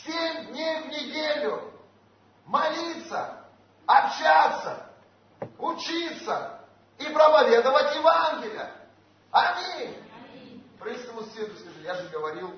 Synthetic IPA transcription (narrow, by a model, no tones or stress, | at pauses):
sʲemʲd̪ʲnʲejvnʲɪdʲelʲʊ | mɐlʲit̪sə̰ | ɐpɕat̪sə̰ | ʊt͡ɕit̪sə | ipɾəpɐvʲe̞d̪əvətʲjɪvanɡʲɪlʲɪjə | ɐmʲi | pɾʲist̪əmʊsʲed̪ʊskɐʐɨjaʐɨɡəvɐɾʲilˠ